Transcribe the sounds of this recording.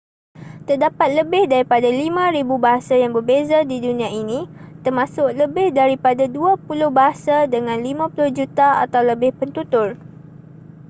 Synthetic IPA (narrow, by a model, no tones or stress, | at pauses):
t̪ərdapat̪̚ləbɪhdaɾipadalimãɾibubaɦasajaŋbərbezadidunĩãinĩt̪ərmãsʊkləbɪhdaɾipadaduapulʊhbaɦasadəŋãnlimãpulʊhd͡ʒut̪aʔa̰t̪awləbɪhpənt̪ut̪ʊr